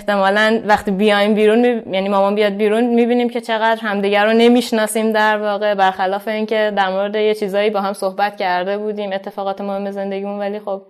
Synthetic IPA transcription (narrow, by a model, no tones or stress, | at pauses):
ht̪e̞mɒːlænvæχt̪iːbijɒjimbiːɾunmijæniːmɒːmɒːnbijɒjd̪̚biːɾunmiːbiːniːmcʰe̞t͡ʃʰe̞ɣæd̪ɾɦæmd̪iːɟæɾone̞miːʃnɒːsiːmd̪æɾvɒːɣe̞bæɾxælɒːfe̞iːncʰe̞d̪æɾmo̞ɾe̞d̪e̞jet͡ʃʰiːzɒːjiːbɒːɦæmso̞hbæt̪cʰæɾd̪e̞buːd̪iːme̞t̪ʰːe̞fɒːɣɒːt̪ʰemohemːe̞ze̞nd̪e̞ɟiːmunvæliːxo̞b̥